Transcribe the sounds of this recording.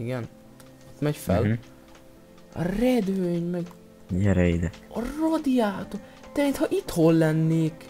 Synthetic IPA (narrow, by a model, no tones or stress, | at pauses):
iɡɛn | t̪mɛɟfɛ̰l | ɒ̰rɛd̪vøɲmɛɡ | ɲɛɾɛjid̪ɛɒrod̪ijaːt̪ot̪ɛint̪hɒʔit̪holːɛnːeːk